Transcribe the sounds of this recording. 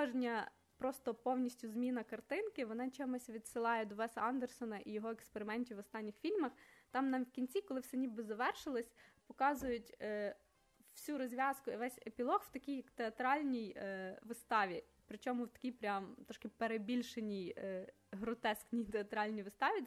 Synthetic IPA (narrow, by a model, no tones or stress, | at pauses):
ɔʒnʲɐ | pɾɔst̪ɔpɔwnʲisʲtʲʊzmʲinɐkɐrt̪ɪnkɪʋɔnɑt͡ʃɛmʊsʲʋʲid̪sɪlˠɑjɛd̪ɔʋɛsɐɑnd̪ersɔnɐʔijɔɦɔekspeɾɪmɛnʲtʲiʋɔst̪ɑnʲːɪxfʲilʲmɐxt̪ɑmnɐkʲinʲt͡sʲikɔlˠɪwsɛnʲibɪzɐʋɛrʃɪlˠɐsʲpɔkɑzʊjʊtʲ | w̥sʲuɾɔzʲʋʲɑskʊiʋɛsʲepʲilˠɔxwt̪ɐkʲijɐkt̪eɐt̪ɾɑlʲnʲijʋɪst̪ɑʋʲi | pɾɪt͡ʃɔmʊwt̪ɐ̥kʲijpɾʲɑmt̪ɔʃkɪpeɾebʲilʲʃenʲij | ɦɾʊt̪ɛsknʲijt̪eɐt̪ɾɑlʲnʲijʋɪst̪ɑʋʲi